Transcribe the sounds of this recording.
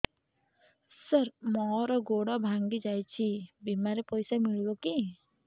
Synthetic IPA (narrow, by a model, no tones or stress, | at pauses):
səɾmɔɾɔɡoɽɔbʱaŋɡid͡ʒajt͡ʃʰibimaɾipɔjsamiɭibɔki